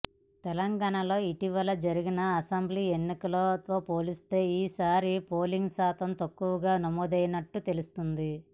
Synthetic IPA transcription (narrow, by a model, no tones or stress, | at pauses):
t̪ɛlɐŋɡaːɳɐlo̞ːiʈiʋɐlɐd͡ʒɐɾiɡinɐːsɐmbliːenːikɐlot̪o̞ːpo̞ːlist̪e̞ːiːsaːɾipo̞ːliŋɡsaːt̪ɐmt̪ɐkːuʋɐɡaːnɐmɔːd̪ɐjɐnɐʈːut̪e̞lust̪und̪i